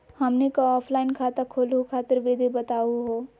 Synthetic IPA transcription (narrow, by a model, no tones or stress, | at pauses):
həmnekoɔːpʰlaɪnkʰat̪əkʰolɦukʰaːt̪əɾʋed̪ʱibət̪auɦo